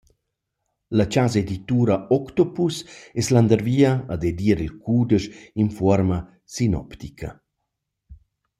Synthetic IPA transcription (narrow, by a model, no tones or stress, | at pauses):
lat͡ʃazed̪it̪uːɾaɔkt̪ɔpusɛsland̪əɾviːɐːd̪ed̪iəɾilkʰuːd̪əʃinfɔɾma | sinɔ̰pt̪ikʰɐ̰